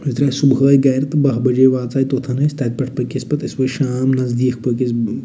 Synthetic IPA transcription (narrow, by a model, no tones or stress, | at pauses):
it̪ɾaːsubɦəːjɡɐːɾt̪bɐɦbɐd͡ʒeːʋaːt͡saːjt̪oːt̪ʰɐnɐst̪ɐt̪̚pɐʈ̚ʰpɐkʲispɐt̪ɪsʋɐjʃaːmnɐzd̪iːkʰpəkʲis